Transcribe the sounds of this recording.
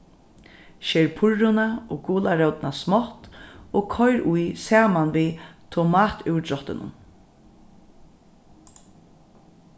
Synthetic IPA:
ʃɛːɹpʰʊɹʊnaoːɡɡuːlaɾœwt̪ɪnasmɔht̪oːɡkʰɔjɾʔʊjsaːmanviːt̪ʰʊmaːt̪ʉwd̪ɾɔht̪ɪnʊ̰n

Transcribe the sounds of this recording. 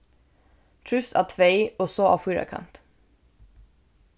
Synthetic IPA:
t̪ʰɹʉst̪ʰɑ̰ːt̪ʰʋeɪoːsoːʔɑ̰ːfʉːɹɑ̰kʰɑ̰nt̪

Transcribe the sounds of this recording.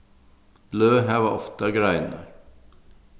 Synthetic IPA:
løːɦæːʋɑʔɔft̪əɡɾæɪnə̰ɾ

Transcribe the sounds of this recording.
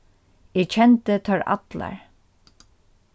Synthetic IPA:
ɪt͡ʃʰɛnt̪ət̪ʰœɹa̰t̪la̰ɹ

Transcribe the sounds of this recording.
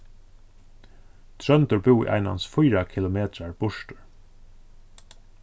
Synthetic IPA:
t̪ʰɾœnt̪əɹbɪwḭʔa̰ɪna̰nsfʊjɾakʰɪlʊmeːt̪ɾaɹb̥ʊʃʈəɹ

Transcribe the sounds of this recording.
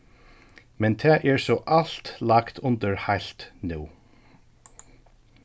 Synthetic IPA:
mɛnt̪ʰɛːʔɛɹsɔːʔalt̪lakt̪ʊnt̪əɹhajl̥t̪nuː

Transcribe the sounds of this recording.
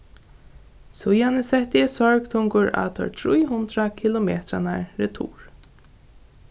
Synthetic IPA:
sʊjanɪsɛht̪ɪɛsɔɹɡt̪ʰʊŋkʊɹa̰ːt̪ʰɔ̰ɹt̪ʰɹujɦʊnt̪ɾakʰilʊmeːt̪ɾanaɹɾɛt̪ʰṵːɹ

